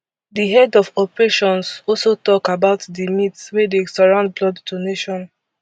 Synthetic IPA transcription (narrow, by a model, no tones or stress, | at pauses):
diɦɛdɔfɔpɹeʃɔ̃nsɔlsotɔkabaʊtdimitswɛdesɔɹãnd̚blɔddoneʃɔ̃n